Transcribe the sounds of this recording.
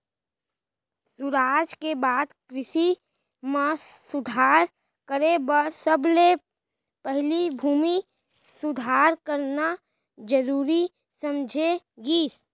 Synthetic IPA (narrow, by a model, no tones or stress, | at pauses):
sʊɾaːd͡ʒkebaːd̪kɾɪʃi | mãsʊd̪ʱaːɾ | kəɾebəɾsəble | pɛɦlibʱuːmi | sʊd̪ʱaːɾkəɾna | d͡ʒəɾuːɾi | səmd͡ʒʱeɡiːs